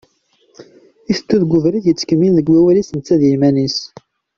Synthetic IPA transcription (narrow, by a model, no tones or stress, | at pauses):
iθət̪ːuðɡʷʊvɾiðjət͡sːə̥kəmːinðəɡwæwælisənt͡sːæðjimænis